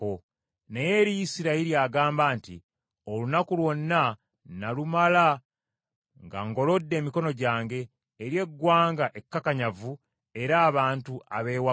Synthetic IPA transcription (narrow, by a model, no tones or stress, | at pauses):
o | neje̞ɾijisiɾaiɾiaːɡaːmbaːntḭ | o̞lunakulwo̞nːa | nalumala | ŋɡa̰ŋɡo̞lo̞dːe̞ːmiko̞no̞ɟaːŋɡe̞ː | ɾje̞ɡːwaːŋɡaʔe̞kːakaɲavu | e̞ɾaːβaːntuaβe̞ːwa